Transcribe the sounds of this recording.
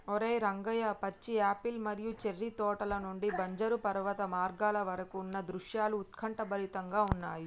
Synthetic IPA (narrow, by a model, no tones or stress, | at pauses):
ɔɾeːɾɐŋɡɐjɐpɐt͡ʃːiaːpilmɐɾijut͡ʃerːit̪ɔːʈɐlɐnuɳɖibɐɲd͡ʒɐɾupɐɾʋɐt̪ɐmaːɾɡaːlɐʋɐɾɐkuːnːɐd̪ɾuʂjaːluːt̪kʰɐɳʈɐbɐlit̪ɐŋɡaːunːaːji